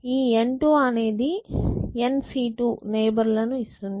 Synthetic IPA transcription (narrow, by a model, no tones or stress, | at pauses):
iːeɳʈuɐne̞ːd̪iensiːʈuneːbɐɾlɐnuist̪und̪ii